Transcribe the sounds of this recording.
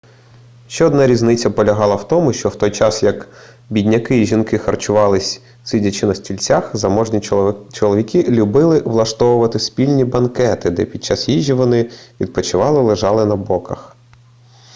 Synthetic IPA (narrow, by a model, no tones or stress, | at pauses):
ʃt͡ʃɛɔd̪nɑɾʲiznɪt͡sʲːɐpɔlʲɐɦɑlˠɐwt̪ɔmʊʃt͡ʃɔwt̪ɔjt͡ʃɑsjɐk | bʲidʲnʲɐkɪiʒʲinkɪxɐrt͡ʃʊʋɑlˠɪsʲ | sidʲɐt͡ʃɪnɐsʲtʲilʲt͡sʲaxzɐmɔʒnʲit͡ʃɔlˠɔʋʲikɪlʲʊbɪlˠɪʋlˠɐʃt̪ɔʋʊʋɐt̪ɪspʲilʲnʲibɐnkɛt̪ɪd̪ɛpʲid̪̥̚t͡ʃɑsjiʒʲiʋɔnɪʋʲid̪̚pɔt͡ʃɪʋɑlˠɪlˠɪʒɑlˠɪnɐbɔkɐx